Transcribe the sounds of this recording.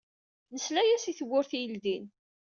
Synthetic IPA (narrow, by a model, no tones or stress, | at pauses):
nəslæjæsiθəwːʊɾθijəlðin